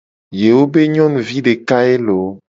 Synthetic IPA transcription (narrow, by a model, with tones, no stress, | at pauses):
je˨wo˦be˦ɲɔ̃˦nũ˨vi˦ɖe˨ka˦e˦lo˨